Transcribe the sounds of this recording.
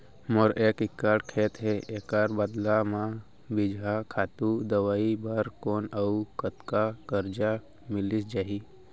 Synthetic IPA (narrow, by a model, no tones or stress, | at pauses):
məɾeːkɪkːaːʈkʰeːt̪ɦeeːkaːɾbəd̪lamã | bɪd͡ʒʱakʰaːt̪ud̪əwaːibaɾkoːnəukət̪kakəɾd͡ʒa | mɪlɪsd͡ʒaːɦi